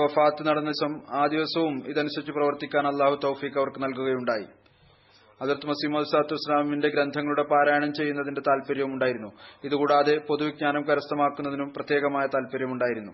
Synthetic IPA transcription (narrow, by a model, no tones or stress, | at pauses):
ʋɐfaːt̪ːɨnɐɽɐnːɐisɐmaːd̪iʋɐsɐʋumiðɐnusɐt͡ɕːuprɐʋɐrt̪ikʲːaːnɐlˠːaːhut̪owfiːkːɐʋɐrkɨnɐlkuɣɐjuɳɖaːjḭ | ɐðɐrt̪ːɨmɐsiːmoːðisaːt̪ːuɐislaːminde̞ɡɾɐnd̪ʱɐŋːɐɭuɽe̞paːɾaːjɐɳɐmt͡ɕe̞jːunːɐðinde̞t̪aːlpɐɾjɐʋumuɳɖaːjiɾunːuiðukuːɽaːðe̞po̞ðuʋiɡ̚ɲaːnɐmkɐɾɐst̪ɐmaːkːunːɐðinumprɐt̪je̞ːɣɐmaːjɐt̪aːlpɐɾjɐmuɳɖaːjiɾunːu